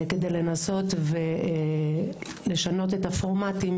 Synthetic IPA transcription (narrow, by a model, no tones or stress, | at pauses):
ked̪ejle̞naso̞tve | le̞ʃano̞t̬e̞tafoʁmatim